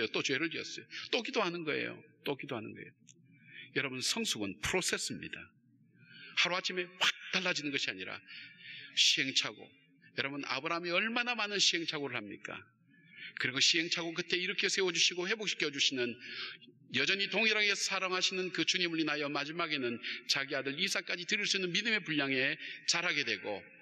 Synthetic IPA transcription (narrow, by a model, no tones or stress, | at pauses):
jot͈ot͡ɕuwe̞ɾɯɭtiʌs͈ʌjot͈okidoɦanɯnɡʌḛjo̰t͈okidoɦanɯnɡʌ̰ḛjo | jʌɾʌbunsʰʌŋsʰuɡɯnpʰuɾosʰe̞s͈ɯmɲḭda | haɾoat͡ɕʰime̞wak̚t͈aɭːad͡ʑinɯnɡʌɕʰiaɲiɾa̰ | ɕʰiɦe̞ŋt͡ɕʰaɡo̰ | jʌɾʌbɯna̰bɯɾaɦmeʌɭmanamanɯnɕʰiɦe̞ŋt͡ɕʰaɡoɾɯɭhamɲḭk͈a̰ | kɯɾiɡoɕʰiɦe̞ŋt͡ɕʰaɡokɯt͈e̞iɾʌkʰe̞sʰe̞wʌd͡ʑuɕʰiɡohe̞bok̚ɕ͈ʰi̥kʰjʌd͡ʑuɕʰinɯn | jʌd͡ʑʌɲitoŋiɾaɡesʰaɾʌŋɦaɕʰinɯnkɯt͡ɕuɲimɯɭinajʌmad͡ʑimaɡe̞nɯnt͡ɕaɡiadɯɾisʰak͈ad͡ʑitɯɾiɭs͈uinːɯnmidɯme̞puʎːaŋe̞t͡ɕaɾɦaɡe̞dwe̞ɡo̰